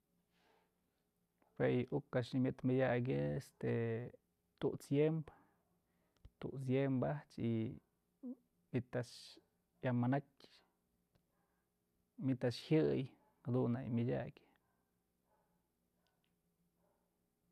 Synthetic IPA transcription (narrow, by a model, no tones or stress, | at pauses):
pejʔukaʃnimʲjɨt̪mɨdʲaɡ̬ʲeest̪e | t̪ṵʔt͡sjemb | t̪ṵʔt͡s̬jembaht͡ʃi | mʲit̪aʂ | jamanatʲ | mʲit̪aʔʂhjɨj | had̪unːajmʲɨdʲa̰kʲ